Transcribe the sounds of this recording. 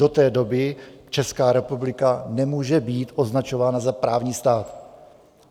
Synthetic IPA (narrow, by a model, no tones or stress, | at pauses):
o̞t̪ɛːdo̞bɪt͡ʃɛskaːɾɛpublɪkanɛmuːʒɛbiːt̪ʔo̞znat͡ʃo̞vaːnazapɾaːvɲiːst̪aːt̪